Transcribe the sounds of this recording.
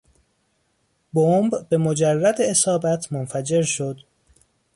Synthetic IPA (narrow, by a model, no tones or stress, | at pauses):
bombbe̞mo̞d͡ʒærːæd̪eesɒːbæt̪ʰmonfæd͡ʒe̞ɾʃo̞d̪̥